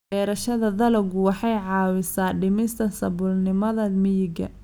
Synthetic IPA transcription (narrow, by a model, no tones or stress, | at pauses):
bɛːɾɐʃɐðɐðɐlɐɡʊwɑħɑjʕɑːwɪsaːɖɪmɪst̪ʰɐsɐβʊlnɪmɐðɐmɪjɪɡɐ̰